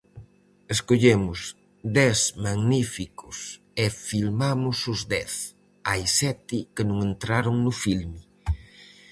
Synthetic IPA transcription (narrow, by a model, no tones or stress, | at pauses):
eskoʎemʊs | d̪ɛsmaɡnifikʊs | efilmamʊsʊzdɛθ | ajsɛt̪ɪkɪnũŋent̪ɾaɾʊŋnʊfilmɪ